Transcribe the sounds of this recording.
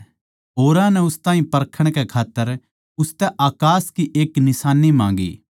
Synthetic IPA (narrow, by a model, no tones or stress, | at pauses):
ɦoːɾãnɛʊst̪ãːɦĩpɐɾkʰəɽ̃kɛkʰaːt̪ːəɾ | ʊst̪ɛʔaːkaːskiʔeːknɪsaːnːimãːŋɡḭː